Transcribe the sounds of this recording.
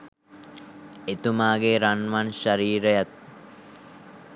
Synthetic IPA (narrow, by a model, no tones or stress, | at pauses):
et̪umaːɡeɾanʋanʃaɾiːɾəjat̪̚